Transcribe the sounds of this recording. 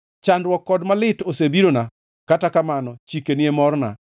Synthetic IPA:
t͡ʃandwɔkːɔdmalɪtosebiɾona | katakamanɔt͡ʃikenɪemɔrna̰

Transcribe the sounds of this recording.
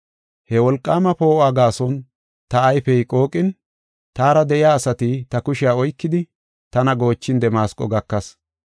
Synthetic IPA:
hɛwɔlkʼːaːmɐpo̞ːʔaɡaːsɔn | t̪ɐːjfɛjkʼo̞ːkʼːɪn | t̪aːɾɐd̪ɛʔɪjaːsɐt̪ɪt̪ɐkʊʃɪaːɔjkːɪd̪ɪ | t̪ɐnɐɡo̞ːt͡ʃːɪnd̪ɛmaːskʼːɔɡɐkːɐs

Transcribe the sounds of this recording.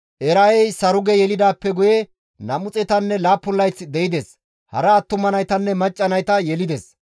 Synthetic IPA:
ʔɛɾɐjɛjsɐɾʊɡɛjɛlɪd̪aːpːɛɡʊjɛ | nɐmʊt͡sʼɛt̪ɐnːɛlaːpːʊnlːɐjt͡sːɪd̪ɛɪd̪ɛs | hɐ̰ɾɐːt̪ːʊmːɐnɐjt̪ɐnːɛmɐt͡ʃʼːɐnɐjt̪ɐjɛlɪd̪ɛs

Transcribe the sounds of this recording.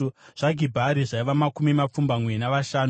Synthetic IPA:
ʐ̥aɡʱibʱaɾiʐaiʋamakumimap͡fumbamwe̞naʋaʃaːn

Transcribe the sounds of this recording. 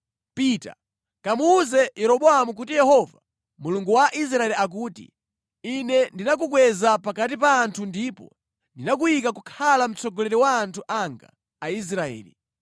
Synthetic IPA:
pita̰ | kamuːzɛjɛɾɔɓɔamuk̬utijɛhɔva | muluŋɡuwaʔis̬ɾaɛliak̬uːtḭ | inɛndinak̬ukwɛzapakat̬ip̬aːntʰundiːpɔ̰ | ndinak̬uikakukʰalam̩t͡sɔɡɔlɛɾɛwaːntʰuʔaŋɡa̰ː | is̬ɾaɛ̰ːlḭ

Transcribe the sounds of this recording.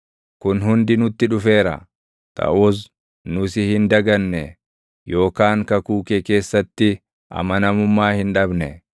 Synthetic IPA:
kʊnɦʊnd̪ɪnʊt̪ːɪᶑʊfe̞ːɾɐ̰ | t̪ʰɐ̰ʔʊs | nʊsɪhɪnd̪ɐɡɐnːɛ | jo̞ːkaːŋkɐkuːkeke̞ːsːɐt̪ːɪ | ʔɐ̰mɐnɐmʊmːaːhɪnᶑɐbnɛ

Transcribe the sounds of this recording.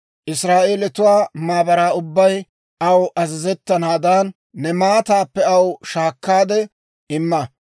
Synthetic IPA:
ʔɪsɾaːʔeːlɛt̪ʊwaːmaːbɐɾaːʊbːɐj | ʔɐwʔɐzɪzɛt̪ːɐnaːd̪aːnː | ɛmaːt̪aːpːɛɐwʃaːkːaːd̪ɛ | ɪmːɐ

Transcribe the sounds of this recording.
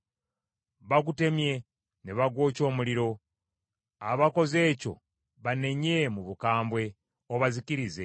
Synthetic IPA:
βakute̞mje̞ | neβaɡwo̞ːco̞ːmuliɾo̞ | aβako̞ze̞ːco̞̰ | βane̞ɲe̞muβukaːmbwe̞ | oβaziciɾize̞

